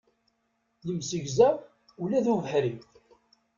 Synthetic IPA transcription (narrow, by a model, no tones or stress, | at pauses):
ləmsəʝzæ | ulæðuvəħɾiθ